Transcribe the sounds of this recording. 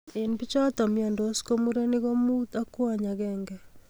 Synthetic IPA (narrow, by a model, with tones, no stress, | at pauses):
enbi˦t͡ʃɔ˦t̪ɔ˨mja˨ndo˦sko˦muɾe˦ni˦ɣo˦muta˦kwaɲaɣɛŋɡɛ